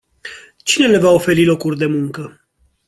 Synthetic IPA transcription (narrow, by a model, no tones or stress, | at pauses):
t͡ʃine̞le̞vaofe̞ɾilo̞kurʲd̪e̞muŋkə